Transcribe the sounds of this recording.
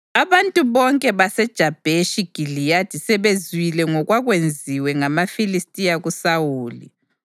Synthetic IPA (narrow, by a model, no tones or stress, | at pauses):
aβantʼuβɔŋkʼɛβasɛd̥ʒ̥ʱab̥ʱeʃiɡ̥ʱilijatʰisɛβezwilɛŋɔɣwaɣwend͡zʱiwɛŋamafilistʼijaɣusawuːlḭ